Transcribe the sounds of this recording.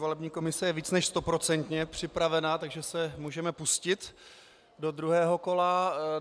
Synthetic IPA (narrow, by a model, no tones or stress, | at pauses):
volɛbɲiːko̞mɪsɛjɛviːt͡snɛʃst̪o̞pɾo̞t͡sɛnt̪ɲɛpr̝̥ɪpɾavɛnat̪aɡʒɛsɛmuːʒɛmɛpuscɪt̪ | do̞d̪ɾuɦɛːɦo̞ko̞la